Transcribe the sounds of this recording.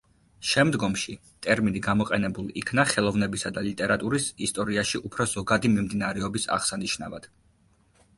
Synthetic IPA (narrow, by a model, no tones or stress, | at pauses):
ʃɛmd̪ɡɔmʃi | t̪ʼɛɾminiɡamɔqʼɛnɛbulˠikʰnaχɛlˠɔvnɛbisad̪alit̪ʼɛɾat̪ʼuɾisist̪ʼɔɾiaʃiʔupʰɾɔz̥ɔɡad̪imimd̪inaɾɛɔbisa̰ʁsaniʃna̰va̰d̪̥